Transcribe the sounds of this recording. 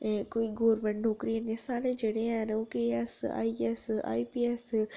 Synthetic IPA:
koːiɡoːɾmɛ̃ɳʈnoːkɾiɛ̃nẽsaːɾed͡ʒeːɽeɛ̃noːkeːɛsa̰ːiɛsa̰ːipiːɛs

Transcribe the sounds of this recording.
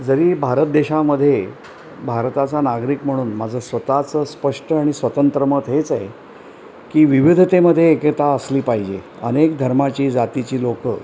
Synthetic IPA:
d͡zəɾiːbʱaɾət̪̚d̪eɕaməd̪ʱːje | bʱaɾt̪at͡sanaɡɾiːkm̤əɽ̃uːnmad͡zʱəsʋət̪at͡səspəʂʈəaɽ̃isʋət̪ənt̪ɾəmət̪ɦet͡sae | kiːʋiʋid̪ʱt̪eməd̪ʱːjeːkət̪aəsliːpaɦid͡ʑe | ənekd̪ʱəɾmat͡ɕiːd͡zat̪it͡ɕiːlokə̰

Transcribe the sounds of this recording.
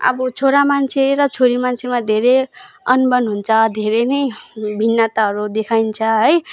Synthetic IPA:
ʌ̰bʌt͡sʰoɾamant͡sʰeɾʌt͡sʰoɾimant͡sʰemad̪ʱeɾe | ʌnbʌnɦunt͡sʰʌd̪ʱeɾenʌjbʱinːʌt̪aɦʌɾud̪ekʰajnt͡sʰʌɦʌj

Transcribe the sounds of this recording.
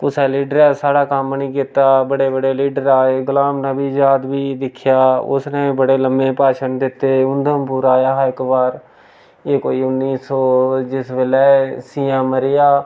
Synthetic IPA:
pʊsɛːliːɖəɾɛːsaːɽaːkəmnĩːkɪt̪aːbəɽeːbəɽeːliːɖəɾaːeːɡʊlaːmnãːbiːd͡ʒaːd̪biːd̪ɪkʰɪjaːʊ̰snẽːbəɽeːləmbẽːpaːʃənd̪ɪt̪ːeːʊnd̪ʱəmpʊːɾaːjaːɪkbaːɾ | eːkoːiːʊnːiːsɔːd͡ʒɪsʋeːlɛːsiːãːməɾɪjaː

